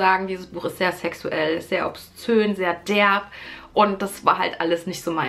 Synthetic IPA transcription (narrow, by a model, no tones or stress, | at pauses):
aːɡŋ̩diːzəsb̥uːxɪstz̥eːɐsɛksuʔɛlz̥eːɐʔɔ̰pst͡søːnzeːɐd̥ɛɐfʔʊnt̚d̥asv̥a̰ːɐɦa̰ltʔaləsnɪçtz̥oːmaɪ